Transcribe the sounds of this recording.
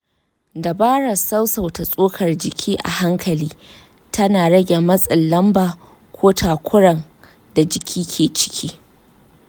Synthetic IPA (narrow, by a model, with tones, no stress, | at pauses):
da˨baː˦ɽa˨sɐ˦wsa˨wta˨sʼoː˦kʰɐ˨rd͡ʒɪ˨kʲʰiː˦ʔa̰˨ha˦ŋkʰɐ˨liː˦ | tʰɐ˦naː˨ɽɐ˦ɡʲe˨mɐ˦sʼɪ˨nlːɐ˦mbaː˨ | kʷʰoː˦tʰaː˨kʷʰʊ˦ɽɐ˨ŋ | da˨d͡ʒɪ˨kʲʰiː˦kʲʰeː˨t͡ʃɪ̥˦kʲʰiː˦